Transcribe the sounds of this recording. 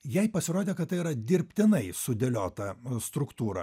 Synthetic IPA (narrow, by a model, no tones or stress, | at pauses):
jɛɪpɐsʲɪɾoːd̪ʲeːkɐt̪t̪ːɐɪiːɾɐd̪ʲɪɾʲpʲt̪ʲɪnɐɪsʊd̪ʲɛlʲoːt̪ɐst̪ɾʊkt̪uːɾɐ̰